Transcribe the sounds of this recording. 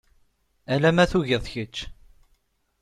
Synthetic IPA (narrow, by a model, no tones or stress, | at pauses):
ælæmæθuʝɪðˤçət͡ʃː